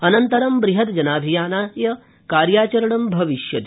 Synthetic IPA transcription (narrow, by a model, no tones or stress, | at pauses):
ɐnɐnt̪ɐɾɐmbɾiɦɐt̪d͡ʒɐnaːbʱijaːnaːɦjɐ | kaːɾjaːt͡ʃɐɾɐɳɐmbʱɐʋiʃjɐt̪